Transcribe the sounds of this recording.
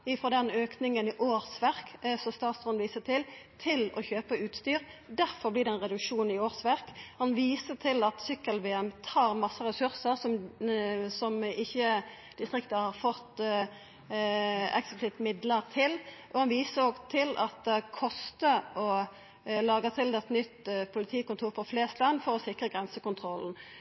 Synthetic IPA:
ɪfɔd̪ɛnøːknɪŋənɪʔoːɾsʋæʁksɔmst̪ɑːt̪sɔnʋiːsət̪ʰɪlt̪ʰɪlɔ̰çøːpəʉːt̪st̪yːɾd̪æɾfɔblɪd̪ɛnʁɛd̪ʉkʂuːnn̩ɪoːʁsʋæʁkhɑnʋiːsət̪ʰɪlɑt̪sʏkːəlʋeːɛmt̪ʰɑːʁmɑsːəɾɛsʉʁsəɾsɔm | sɔmɪçːə | d̪̥ɪst̪ɾʁɪkt̪əhɑʁfɔt̪ | ɛ̰ksəpʰlɪt̪mɪd̪ləʁt̪ʰɪlʔɔhɑnʋiːsəɾoːɡt̪ʰɪlʔɑ̰t̪̚d̪ɛkʰɔst̪əɔ | lɑːɡət̪ʰɪld̪ɛɛt̪nʏt̪ːpʰʊlɪt̪ʰiːkʊnt̪ʰuːɾpʰɔfleːst̪lɑnfɔʁɔsɪkʁəɡʁɛnsəkʊnt̪ʰʁɔln̩

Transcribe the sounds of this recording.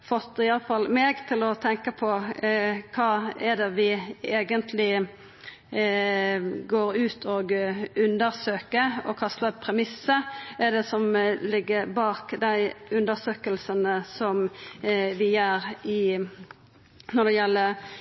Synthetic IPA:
fɔt̪ɪɑləfɑlmeːɡt̪ʰɪlɔt̪ʰɛŋkəpʰɔ | kʰɑːɛd̪ɛʋɪeːɡənt̪ʰlɪ | ɡoːɾʉːt̪ʰoːɡʉnd̪əɾsøːkəɾɔ̰kʰɑst̪əpʰɾɛmɪsːəʔɛɖ̪ɛsɔmlɪɡːəɾbɑːkd̪æɪʉnd̪əsøːkəlsənəsɔm | ʋɪjøːɾɪ | nɔd̪ɛjɛlːə

